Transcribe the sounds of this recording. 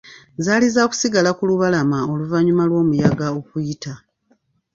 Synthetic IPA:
zaːlizaku̥siɡalakuluβalamao̞luvaɲumalwo̞ːmujaɡao̞kujita

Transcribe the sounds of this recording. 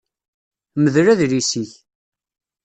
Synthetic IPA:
məðɾæðɾisiç

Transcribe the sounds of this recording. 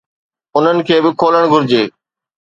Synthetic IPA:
ʊn̤ənɪ̆kʰeːbɪkʰoːləɽ̃ɡʱʊɾɪd͡ʑeː

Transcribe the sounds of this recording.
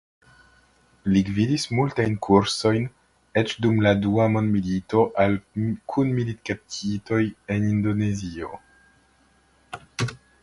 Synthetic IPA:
liɡvidismultajnkʰuɾso̞jn | et͡ʃdumladuamo̞ndmilito̞ʔalkʰunmilitkap̚tʰito̞je̞nindo̞ne̞zio

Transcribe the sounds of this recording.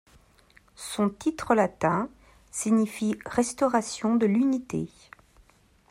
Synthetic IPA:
sɔ̃t̪it̪χəlat̪ɛ̃ | siɲifiʁɛst̪ɔʁasjɔ̃d̪əlynit̪ḛ

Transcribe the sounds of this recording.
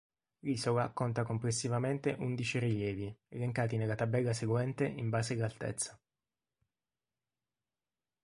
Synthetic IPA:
lisowakont̪akomplesːivament̪eʔund̪it͡ʃiriljɛːvieleŋkaːt̪inelːat̪abɛlːaseɡwɛnt̪eʔimbaːsealːalt̪ɛ̰t̪sːḁ

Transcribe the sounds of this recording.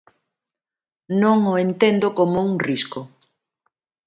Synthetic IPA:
nõŋoent̪end̪okomouŋrisko

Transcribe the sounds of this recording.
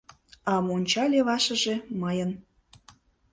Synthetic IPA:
ɑmonʲt͡ɕɑlʲeβɑʃə̆ʒe̽məjən

